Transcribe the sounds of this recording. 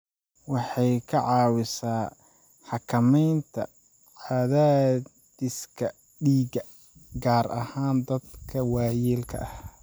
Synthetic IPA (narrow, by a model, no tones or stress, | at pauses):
wɑħɑjkʰɐʕɑːwɪsaː | ħɑkʰɐmɛjnt̪ʰɐ̰ | ʕɑðaː | ɪskʰɐ | ɖiːɡɐ | ɡaːɾɐhaːnd̪ɐd̪kʰɐwɑːjiːlkʰɐ̰ʔɐh